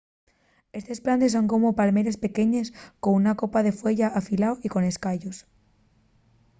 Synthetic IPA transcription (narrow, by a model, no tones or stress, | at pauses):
e̞st̪e̞splant̪es̬o̞ŋko̞mopalmeɾespe̞keɲeskonunako̞paðe̞fwe̞ʝaʔafilawiko̞neskaʎos